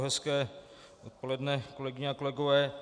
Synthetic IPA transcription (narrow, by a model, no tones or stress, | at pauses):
ɦɛskɛː | ʔot̪̚po̞lɛdnɛkolɛɡɪɲɛakolɛɡovɛː